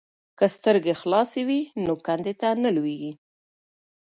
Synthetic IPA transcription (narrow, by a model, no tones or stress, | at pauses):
kəst̪əɾɡexlɑsewinokand̪et̪anəlweɡi